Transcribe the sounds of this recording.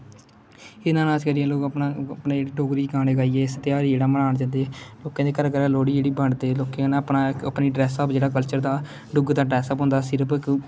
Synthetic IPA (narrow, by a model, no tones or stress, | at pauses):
ɪnãːnaːd͡ʒkəɾiãːloːkəpnaːəpneːd͡ʒeːɽiːɖoːɡɾiːɡãːnːɡaːiːɛːsət̪jaːɾiːd͡ʒeːɽaːməlaːɳd͡ʒãːnd̪eːloːkãːd̪eːkəɾkəɾãːloːɽiːd͡ʒeːɽiːbəɳɖd̪eːloːkẽnẽəpnaːəpniːɖɾɛːsaːpd͡ʒeːɽaːkəlt͡ʃəɾd̪aː | ɖʊɡd̪aːʈɾɛːsəpɦʊ̃nd̪aːsɪɾpʰɪk